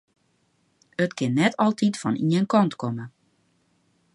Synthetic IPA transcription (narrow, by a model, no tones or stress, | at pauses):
ətkɪnːɛtʰɔlˠtʰitfɔnʔiənkɔntkomə